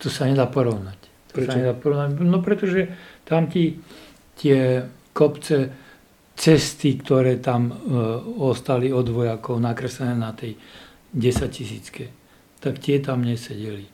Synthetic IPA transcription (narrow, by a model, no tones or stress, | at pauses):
t̪ɔsaɲɛd̪aːpɔɾɔʊnac | t̪ɔsaɲɛd̪aːpɔɾɔʊnaɟnɔpɾɛt̪ɔʒɛt̪amt̪i | t̪ɪɛ | kɔpt͡sɛ | t͡sɛst̪ikt̪ɔɾɛːt̪am | ɔst̪aliɔd̪ʋɔjakɔʊnakɾɛslɛnɛːnat̪ɛj | ɟɛsaccisḭːt͡skɛ | t̪akt̪ɪɛt̪amɲɛsɛɟɛli